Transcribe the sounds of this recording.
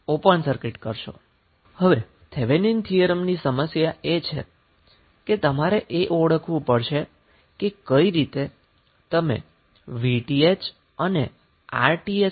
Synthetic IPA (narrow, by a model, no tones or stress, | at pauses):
opəɳsəɾkɪʈkəɾʃo̰ | həʋe | t̪ʰeʋenint̪ʰijəɾəmnisəməsjaet͡ʃʰḛ | ket̪əmaɾeʔeʔoɽəkʰʋũpəɽʃe | kekəiɾit̪e | t̪əmḛ | ʋiʈiet͡ʃ | əne | a̰ɾʈie